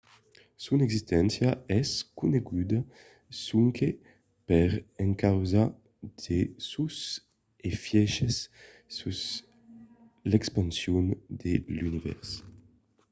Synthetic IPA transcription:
sunɛɡzist̪ɛnsjaɛskuneɡud̪a | suŋkʰe | pɛɾɛŋkawza | d̪̥esus | efjɛʃesː | us | lɛkspansjund̪elynivɛ̰ɾs

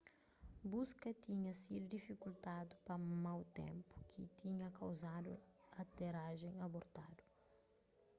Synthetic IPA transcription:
buskɐt̪iɲɐsid̪ud̪ifikult̪ad̪upɐmawt̪ḛ̃mpu̥kʰit̪iɲɐkɐwzad̪ṵɐt̪eɾaʒẽj̃ɐboɾt̪ad̪u̥

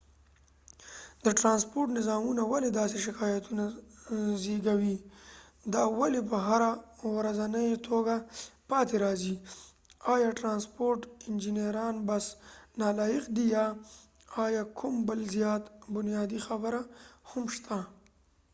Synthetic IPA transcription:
d̪əʈɾɑnspoɾʈnɪzɑmunawaled̪ɑseʃɪkɑjat̪una | zeɡawi | d̪ɑwalepəɦaɾawɾazanəjt̪ʰoɡapɑt̪eɾɑzi | ɑjɑʈɾɑnspoɾʈɪnd͡ʒinjeɾɑnbasnɑlɑjɪqd̪ijɑ | ɑjɑkʰʊmbəlzjɑt̪bʊnjɑd̪ixabəɾahamʃt̪ʰa

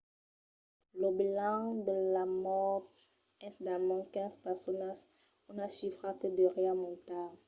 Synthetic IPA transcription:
ləbilãd̪əlamɔt | ɛ̃sid̪amɔ̃kɛ̃zpɛʁsɔnas | unaʃifʁatəd̪əʁeamɔ̃nt̪a

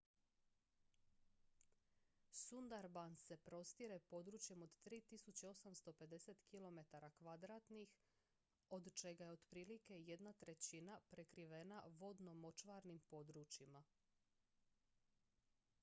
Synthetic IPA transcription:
sund̪aɾbanse̞pɾo̞st̪iɾe̞po̞d̪ɾuːt͡ʃje̞mo̞d̪t̪ɾiːt̪isut͡ɕeo̞samst̪o̞pe̞d̪e̞se̞t̪kilˠo̞me̞t̪aɾakʋad̪ɾaːt̪nix | o̞d̪t͡ʃe̞ɡajeo̞d̪̥pɾiːlike̞je̞d̪nat̪ɾe̞t͡ɕinapɾe̞kɾiʋe̞naʋo̞d̪no̞mo̞t͡ʃʋaɾnimpo̞d̪ɾut͡ɕima

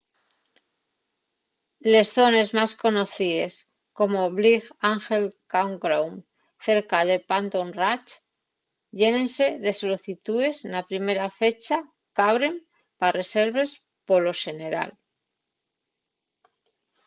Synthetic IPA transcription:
le̞sθo̞ne̞zmasko̞no̞θiðe̞s | ko̞moβliɣaŋxe̞lkawŋɡɾawm | θe̞ɾkað̞e̞pant̪onrat͡ʃ | ʎe̞nẽ̞nse̞ðe̞soloθit̪ue̞senapɾime̞ɾafe̞t͡ʃa | kaβɾe̞m | pare̞se̞ɾβe̞s | po̞lo̞se̞ne̞ɾa̰l

